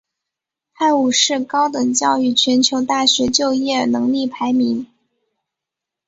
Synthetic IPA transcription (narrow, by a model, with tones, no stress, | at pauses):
a˥˩ɪu˨˩ʂɻ̩˥˩kɑ˥ʊt̪ɤ˨˩ŋt͡ɕjɑ˥˧ʊy˥˩t͡ɕʰɥɛ˧˥nt͡ɕʰjo˧˥ʊt̪a˥˩ɕɥɛ˧˥t͡ɕjo˥˧ʊjɛ˥˩nɤ˧˥ŋli˥˩pʰa˧˥ɪmi˧˥ŋ